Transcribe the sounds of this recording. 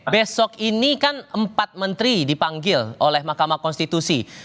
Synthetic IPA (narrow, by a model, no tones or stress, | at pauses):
besɔkinikanəmpat̪̚mənt̪ɾidipaŋɡɪlolɛhmahkamakɔnst̪it̪usi